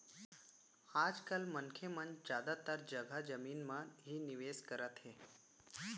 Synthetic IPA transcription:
ad͡ʒkalmənkʰemənd͡ʒjad̪at̪aɾd͡ʒəɡʱad͡ʒəminmãɦiniʋeskəɾət̪ɦe

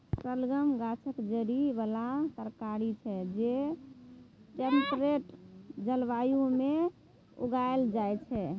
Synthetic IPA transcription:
səlɡəmɡat͡ʃʰəkd͡ʒəɽibalat̪əɾkaɾit͡ʃʰɛd͡ʒe | t͡ʃənʈɾeʈd͡ʒəlʋajume | ṵɡaeld͡ʒajt͡ʃʰɛ

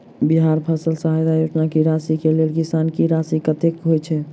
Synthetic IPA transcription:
biɦaɾpʰəsəlsaɦajd̪ajud͡ʒnakiɾasikelelkisankiɾasikət̪ekɦojt͡ʃʰɛ

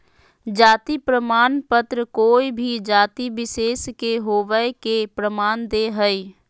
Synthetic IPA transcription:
d͡ʒaːt̪ipɾəmaːnpət̪ɾəkoːibʱid͡ʒaːt̪ibɪseːskeɦoːʋəekepɾəmaːnd̪eɦəi

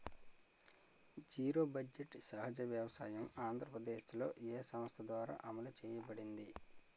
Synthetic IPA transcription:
d͡ʒiːɾo̞ːbɐd͡ʒeʈsɐɦɐd͡ʒɐʋjɐʋɐsaːjɐmaːnd̪ʱɾɐpɾɐd̪eːʃlo̞̰ːʔeːsɐmɐst̪ʰɐd̪ʋaːɾa̰ːʔɐmɐlut͡ʃɛːjɐbɐɽind̪i

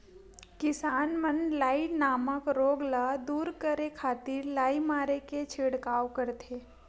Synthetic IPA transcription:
kɪsaːnmənlaːɪʈnaːməkɾoːɡlaːd̪uːɾkəɾekʰaːt̪ɪɾlaːimaːɾeket͡ʃʰeːɽkaːwkəɾt̪ʰeː

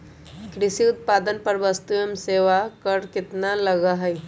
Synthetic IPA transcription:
kɾɪsiʊt̪̚paːd̪ənpɐɾʋəst̪ujəmseːʋakəɾkɪt̪nalɐɡaɦɛj

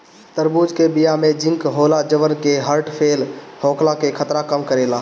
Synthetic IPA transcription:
t̪əɾbud͡ʒkebijamed͡ʒɪ̃ŋkɦolad͡ʒəʋənkeɦəɾʈpʰeːlhoːkʰlakekʰət̪ɾakəmkəɾela

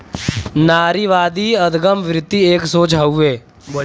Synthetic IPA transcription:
naːɾiʋaːd̪iːəd̪ɡəmʋɾɪd̪ːieːksoːt͡ʃʰaːueː

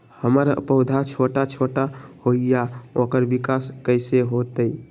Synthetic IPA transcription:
həməɾə̰pəʊd̪ʱat͡ʃʰoʈat͡ʃʰoʈahoijaokəɾbikaskəɪseɦot̪ə

